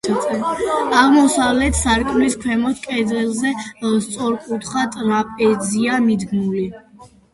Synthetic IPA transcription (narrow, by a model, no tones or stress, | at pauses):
ɛaʁmɔsavlɛt̪ʰsaɾkʼmliskʰwɛmɔt̪̚ʰkʼɛd̪ilˠzɛst̪sʼɔɾkʼut̪ʰχat̪ʼɾapʼɛd̪ziamid̪ɡmuli